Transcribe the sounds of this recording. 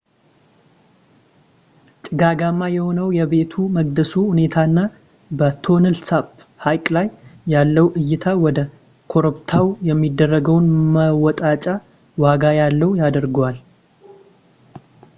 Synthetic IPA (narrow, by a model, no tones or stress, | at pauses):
t͡ʃʼɪɡaɡamːajɛho̞nəwjɛβe̞t̪ʰuməɡ̚d̪əsuhune̞t̪ʰaɨnːa | bət̪ʰo̞nɨlsab | hajkʼlajːalːəwʔɨjːɪt̪ʰawɔd̪ə | kʰo̞ɾobt̪ʰawjɛmːid̪ːərːəɡəwnməwɔt̪ʼat͡ʃʼa | waɡajalːəwjad̪əɾɡwal